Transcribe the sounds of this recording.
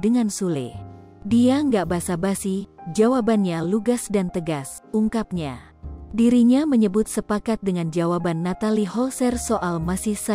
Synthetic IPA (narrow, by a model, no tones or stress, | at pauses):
dəŋansulɪ̰ | diaŋɡaʔbasabasid͡ʒawabanɲaluɡasdant̪əɡas | uŋkap̚ɲa | diɾiɲaməɲəbʊt̪̚səpakat̪̚dəŋand͡ʒawabanːat̪alihɔlsɛrsoʔalmasihsa